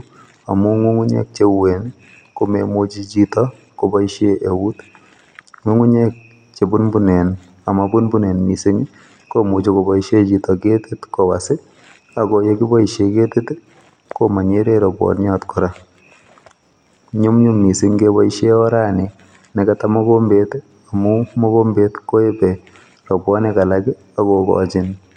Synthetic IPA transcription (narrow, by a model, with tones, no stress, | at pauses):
a˨mu˦ŋu˦ŋu˦ɲɛ̰k̚t͡ʃewe˨n | ko˦memu˦t͡ʃi˦t͡ʃitɔ | kobɔ˦iʃeʔe˨wu˦t | ŋwu˦ŋu˦ɲɛ˦k̚ | t͡ʃe˨bu˦nbu˦nɛ˨n | a˨mabu˦nbu˦nɛ˨nmi˨se˦ɲ | ko˦mu˨t͡ʃiko˨bɔ˦iʃe˦t͡ʃi˨tɔke˦tɪ˦tko˨ba̰˨sɪ˦ | a˨koje˦ki˦bɔ˦iʃjeke˦te˦t | koma˨ɲe˦ɾe˦ɾɔ˨bwɔ̰˨njɔtkʊɾa˦ | ɲu˦mɲu˦mmi˨si˦ɲkebɔ˦iʃjeɔ˦ɾa˦ne˨ | nɛ˨katamɔ˦kombet | a˨mu˦mɔ˦ko˦mbetko˦e˦pɛ | rɔ˨bwɔ˦neka˨lakɪ˦ | a˨kokɔ̰t͡ʃɪn